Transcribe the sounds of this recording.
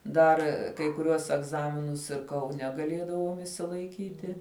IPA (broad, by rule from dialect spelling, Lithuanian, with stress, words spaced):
ˈdɐr kɐɪ kʊˈrʲuɔs ɛɡˈzɑːmʲɪnʊs ɪr kɐʊˈnʲɛ ɡɐˈlʲiɛdɐʋoːm ɪʃʲsʲɪlˠɐɪˈkʲiːtʲɪ